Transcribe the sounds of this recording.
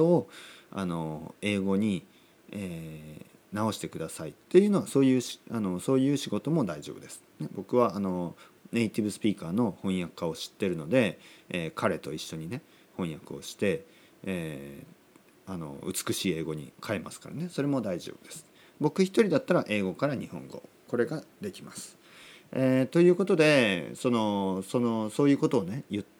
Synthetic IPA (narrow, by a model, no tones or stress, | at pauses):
t̪ooa̰no̞e̞ːɡo̞ɲ̟i | eː | nao̞ɕi̥t̪e̞kɯ̟d̪asait̪ːe̞jɯ̟ːno̞βaso̞ːjɯ̟ːɕano̞so̞ːjɯ̟ːɕiɡo̞t̪o̞mo̞d̪aiʑoːbɯ̟d̪esɨ̥ne̞bo̞kɯ̟βaano̞ne̞it̪ibɯ̟sɨ̥pʲiːkaːno̞hõ̞ɰ̃jakːao̞ɕi̥t̪ːe̞ɾɯ̟no̞d̪e̞ːkʰaɾe̞t̪o̞iɕːo̞ɲ̟ine̞ | hõɰ̃jakɯ̟o̞ɕi̥t̪e̞ | ano̞̰ɯ̟t͡sɨ̥kɯ̟ɕiːe̞ːɡo̞ɲ̟ḭkʰaemasɨ̥kaɾa̰ne̞so̞ɾe̞mo̞d̪aiʑo̰ːb̥ɯ̟d̪e̞sɨ̥ | bo̞kɯ̟çi̥t̪o̞ɾʲid̪at̪ːaɾaʔe̞ːɡo̞kaɾaɲ̟ihõ̞̰ŋɡo̞̰ | ko̞ɾe̞ɡad̪e̞kʲimasɨ̥ | et̪o̞jɯ̟ːko̞t̪o̞d̪e̞so̞no̞so̞no̞so̞ːjɯ̟ːko̞t̪o̞ːne̞jɯ̟